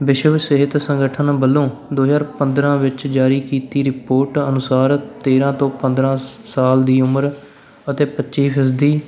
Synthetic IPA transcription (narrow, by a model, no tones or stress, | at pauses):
ʋɪʃəʋsɪɦɪt̪sə̃ŋɡəʈʰənbəlːõːd̪oːjaːɾpənd̪ɾãːʋɪt͡ʃd͡ʒaːɾiːkiːt̪iːɾɪpoːɾʈənʊsaːɾt̪eːɾãːt̪õːpə̃nd̪ɾãːsaːld̪iːʊməɾ | ət̪eːpətːt͡ʃʃiːpʰɪsd̪iː